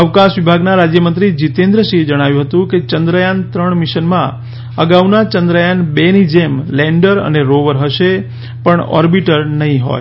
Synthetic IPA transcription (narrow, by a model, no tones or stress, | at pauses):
əʋkãʃʋibʱaɡnaɾad͡ʒjəmənt̪ɾid͡ʒit̪end̪ɾəʃid͡ʒəɽ̃aʋjũɦət̪ũket͡ʃənd̪ɾəjant̪ɾəɳmiʃənmã̰ | əɡaʋnat͡ʃənd̪ɾəjanbenid͡ʒemlɛ̃ɳɖəɾə̰neɾoʋəɾɦəʃe | pəɳɔ̰ɾbiʈəɾnəɦĩɦo̰j